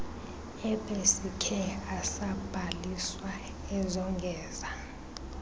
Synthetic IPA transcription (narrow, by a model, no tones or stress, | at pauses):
ɛbʼesikʰɛasab̥ʱaliswa | ɛzɔŋɡʱɛːza